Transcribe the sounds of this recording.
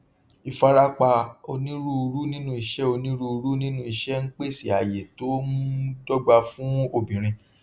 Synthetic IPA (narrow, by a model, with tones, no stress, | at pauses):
i˨fa˧ɾa˦k͡pa˧o˧nĩ˦ɾu˦˧ɾu˦nĩ˦nũ˦˧i˨ʃɛ˦o˧nĩ˦ɾu˦˧ɾu˦nĩ˦nũ˦i˨ʃɛ˦ŋ̩˦k͡pe˦˨si˦˨a˨je˨to˦m̃˦dɔ˦ɡ͡ba˧fũ˦o˧˨bĩ˨ɾ̃ĩ˧